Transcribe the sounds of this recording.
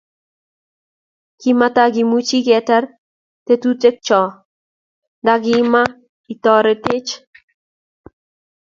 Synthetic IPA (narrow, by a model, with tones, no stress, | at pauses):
kima˦ta˦ɡi˨mu˦t͡ʃi˦ɡɛ˨tɛ˦r | te˦tu˦te˦k̚t͡ʃɔ˨ | daɡɪ˦ma˦ | i˨t̪ɔɾɛ˨tɪ˦t͡ʃ